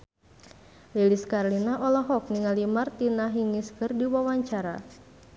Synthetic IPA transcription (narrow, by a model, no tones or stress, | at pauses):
liliskarlinaʔɔlɔɦɔk̚niŋalimart̪inaɦiŋiskɨrdiwawaɲt͡ʃaɾa